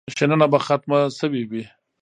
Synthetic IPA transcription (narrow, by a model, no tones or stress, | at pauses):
ʃenanabaxat̪masəwiwi